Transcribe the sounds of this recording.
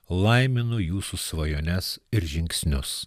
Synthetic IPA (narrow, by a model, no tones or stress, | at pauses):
lˠɐɪmʲɪnʊjuːsʊsʋɐjoːnʲɛsɪɾʒʲɪŋʲksʲnʲʊs